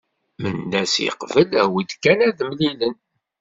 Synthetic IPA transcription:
mənːæsḭqvəlæwid̪kːænæðmlilən

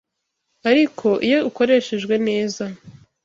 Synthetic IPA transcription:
aɾikʰo̞ʔijo̞uko̞ɾe̞ːʃe̞ʒɡwe̞ne̞ːza

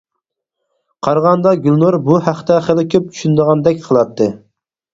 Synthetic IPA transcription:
qʰɑɾʁɑnd̪ɑɡʲylˠnoɾbuhæχt̪ɛχəlˠɪkʲʰøp̚t͡ʃʰy̥ʃynd̪əʁɑnd̪ɛkʲqʰəlˠɑt̪ʰːɨ

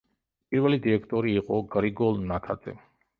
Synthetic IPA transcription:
pʼiɾvɛlid̪iɾɛkʰt̪ʼɔɾiːqʼɔɡɾiɡɔlˠnat̪ʰad̪z̥ɛ̰

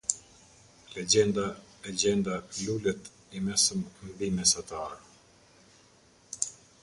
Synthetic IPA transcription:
lɛd͡ʑɛnd̪aɛd͡ʑɛnd̪alulɛt̪ | imɛsəmmbimɛsat̪aɾ

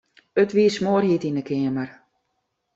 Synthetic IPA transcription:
ətʋiːəsmoərhitinəkʰɪəmər

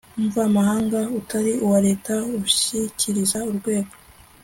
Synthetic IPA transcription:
umɱvamahaːŋɡautʰaɾiuwaɾe̞ːtauʃiciɾizauɾɡwe̞ːɡo

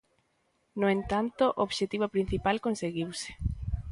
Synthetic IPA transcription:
noent̪ant̪ʊʔoβʃet̪iβopɾin̟θipalkonseɣiwse̥

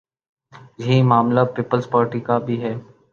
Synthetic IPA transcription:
jɐɦimaːmlapiːpəlzpaːɾʈikabʱiɦɛː

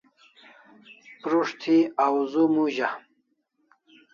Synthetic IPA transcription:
pɾuʂt̪ʰiawzumuʑa

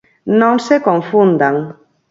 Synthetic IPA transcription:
nõŋsekõɱfund̪aŋ

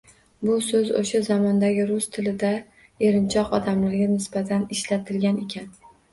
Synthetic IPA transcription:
bʊsɵzo̰ʃazɒmɒnd̪aɡʲɪɾʊst̪ʰɪlɪd̪a | e̞ɾɪnt͡ʃʰɒqɒd̪amlaɾɡʲanɪsb̥at̪ʰanɪʃlat̪ʰɪlɡʲane̞kʲʰan

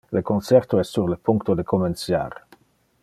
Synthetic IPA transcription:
lekonsɛɾt̪oɛst̪suɾlepuŋkt̪od̪ekomensja̰ɾ

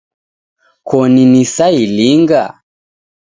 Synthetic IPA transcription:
kɔninisailiŋɡa̰

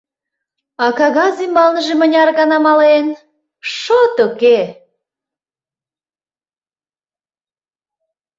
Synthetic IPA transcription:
ɑkɑɣɑzimbɑlnəʒemənʲɑrɣɑnɑmɑlen | ʃot̪uke

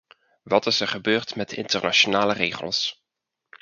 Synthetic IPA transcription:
ʋɑtɪsɛɹχəbøːɹtmɛtɪ̰ntərnaʃonaːləreːχə̰lˠs

